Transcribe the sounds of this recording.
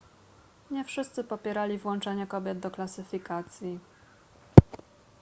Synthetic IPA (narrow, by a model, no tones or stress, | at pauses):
ɲɛfʂɘst̪sɘpɔpʲjɛɾalʲivwɔnt͡ʂɛɲɛkɔbʲjɛd̪̚d̪ɔklasɘfʲikat̪sʲji